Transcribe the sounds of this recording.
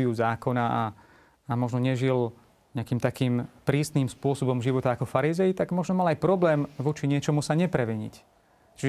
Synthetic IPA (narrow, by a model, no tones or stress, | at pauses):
iuzaːkɔnaʔa | amɔʒnɔɲɛʒil | ɲɛakiːmt̪akiːmpɾiːsniːmspʊɔsɔbɔmʒiʋɔt̪aːkɔfaɾizɛjit̪aɡmɔʒnɔmalajpɾɔblɛːmʋɔt͡ʃiɲɪɛt͡ʃɔmusaɲɛpɾɛʋɛɲḭc | t͡ʃiʒ